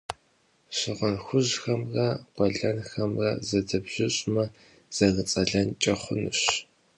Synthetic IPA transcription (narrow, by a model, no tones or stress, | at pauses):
ɕɪʁɐnxʷʊʑxɐmrɐɡʷɐɮɐnxɐmrɐ̰zɐdɐbʑ̥ɪɕʼmɐ | z̥ɐɣət͡sʼɐɮɐnt͡ʃʼɐχʷʊnɨ̰ɕ